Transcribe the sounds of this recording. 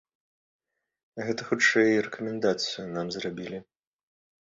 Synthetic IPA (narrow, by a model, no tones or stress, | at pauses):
ɣɛt̪ɐxut͡ʂɛjrɛkɐmʲɛnd̪at̪sɨjunamzrabʲilʲi